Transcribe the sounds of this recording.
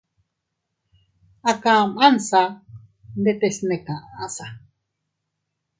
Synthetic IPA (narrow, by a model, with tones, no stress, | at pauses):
a˧kã˨mã˦n˨sa˧ | nd̪e˧t̪e˧snẽ˨kã˨ʔa˨a˦sa˨˧